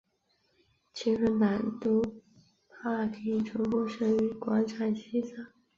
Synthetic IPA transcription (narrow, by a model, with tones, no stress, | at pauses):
t͡ɕʰi˧˥ʂ̩˧˥na˨˩nt̪u˥ | pʰa˥˩kʰɤ˧˥i˨˩ʈ͡ʂʰɤ˧˥ŋkwɔ˥˩ʂɤ˥˩y˧˥kwa˧˥nʈ͡ʂʰa˨˩nɕi˥sa˥˩